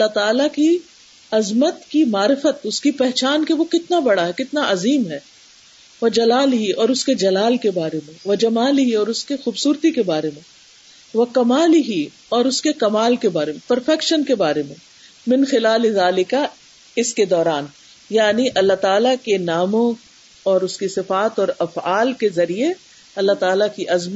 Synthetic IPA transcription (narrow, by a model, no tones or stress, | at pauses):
ɐlːat̪aːlaki | ɐzmət̪kimaːɾɪfət̪ʊskipɛɦt͡ʃaːnkeʋokɪt̪nabɐɽaɦɛkɪt̪naʔɐziːmɦɛː | ʋɐd͡ʒɐlaːlɦiɔːɾʊsked͡ʒɐlaːlkebaːɾemẽʋɐd͡ʒɐmaːlɪɦiɔːɾʊskexuːbsuːɾt̪ikebaːɾemẽ | ʋɐkɐmaːlɪɦi | ɔːɾʊskekɐmaːlkebaːɾemẽpɐɾfɛkʃənkebaːɾemẽ | mɪ̃nxɪlaːlɪzaːlɪka | ɪsked̪ɔːɾaːn | jaːniʔɐlːaɦt̪aːlakenaːmõ | ɔːɾʊskisɪfaːt̪ɔːɾɐfaːlkezɐɾie | ɐlːaɦt̪aːlakiʔɐzm